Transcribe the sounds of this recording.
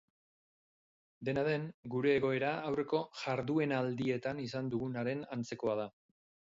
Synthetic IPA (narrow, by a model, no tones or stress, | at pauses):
d̪e̞naðe̞ŋɡuɾe̞ːɣo̞e̞ɾaawre̞ko̞ʝaɾðue̞nald̪ie̞t̪anis̬and̪uɣunaɾe̞nant͡se̞ko̞að̞a